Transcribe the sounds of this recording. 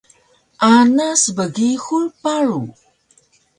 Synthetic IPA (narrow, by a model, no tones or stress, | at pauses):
ʔanasbəɡixuɭpaɾu